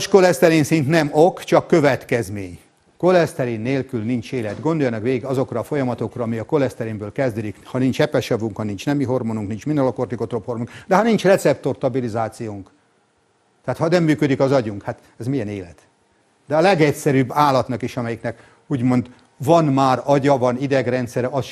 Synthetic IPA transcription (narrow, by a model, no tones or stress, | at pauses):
t͡ʃko̞lɛst̪ɛɾeːnsint̪nɛmokt͡ʃɒkːø̞vɛt̪kɛzmḛːɲ | ko̞lɛst̪ɛɾeːnːeːlkylnint͡ʃeːlɛt̪ɡond̪o̞jɒnɒkʋeːɡiɡɒzo̞krɒːfo̞jɒmɒt̪o̞krɒɒmiɒko̞lɛst̪ɛɾeːmbøːlkɛzd̪ød̪ikhɒnint͡ʃɛpɛʃɒvuŋkhɒnint͡ʃnɛmiɦo̞rmonuŋknint͡ʃminːɛlokort̪ikot̪ropho̞rmuŋkd̪ɛɦɒnint͡ʃrɛt̪sɛp̚t̪o̞rt̪ɒbilizaːt̪sijoːŋk | t̪aːt̪hɒnɛmːyːkød̪ikɒzɒɟuŋkhat̪ | ɛzmiɛneːlɛ̰t̪ | d̪ɛɒlɛɡɛcsɛɾyːbːaːlːɒt̪nɒkiʃɒmɛjiknɛk | uːɟmo̞nd̪ | vɒnmaːɾɒɟɒvɒnid̪ɛɡrɛnt̪sɛɾɛɒs